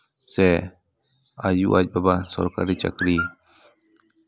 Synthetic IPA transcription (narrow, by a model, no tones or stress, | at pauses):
se | ajṵʔad͡ʒbabasɔ̰ɾka̰ɾit͡ʃɐ̰kɾi